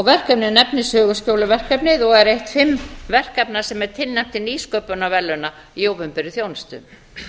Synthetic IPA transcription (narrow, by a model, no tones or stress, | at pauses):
ɔɣvɛr̥kɛpnɪnɛpnɪsœːɣʏscoːwlʏvɛr̥kɛpnɪðɔɣɛɾejht̪fɪmːvɛr̥kɛpnaɾ̥sɛmɛɾ̥t̪ʰɪlnɛm̥t̪ɪniːskœpʏnavɛlːʏnaiowvʏmpɛɾɪθjownɪst̪ʏ̰